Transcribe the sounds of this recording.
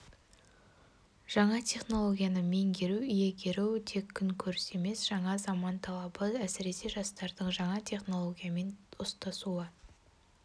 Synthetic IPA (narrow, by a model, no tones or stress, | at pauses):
ʒ̥ɑɴɑt̪ʲʰe̞χno̞lˠo̞ɡʲijanəme̞ŋɡʲe̞ɾuije̞ɡʲʰe̞ɾuwt̪ʰe̞kʲʰːʏŋkʲʰɵɾɪse̞me̞sʒ̥ɑɴɑzɑmɑnt̪ʰɑlˠɑbəæsɪɾe̞se̞ʒɑst̪ɑɾd̪əɴʒɑɴɑt̪ʲʰe̞χno̞lˠo̞ɡʲijame̞nʊst̪ɑsuə